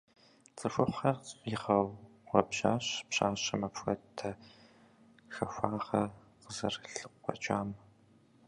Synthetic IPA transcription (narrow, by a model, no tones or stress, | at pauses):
t͡sʼɨxʷʊχʷɐjɪχɐw | ʁʷɔbʒaːɕpɕaːɕɐmɐpxʷɐ̰tʰːɐ | xɐxʷaːʁɐ | qəzɐrɬɨqʷɔ̰t͡ʃʼaːm